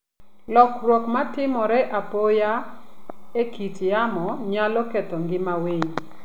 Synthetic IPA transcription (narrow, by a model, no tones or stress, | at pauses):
lɔkrwɔkmatɪmɔɾɛʔapoja | ekit͡ʃjamɔɲalɔketɔŋɡɪmaweɲ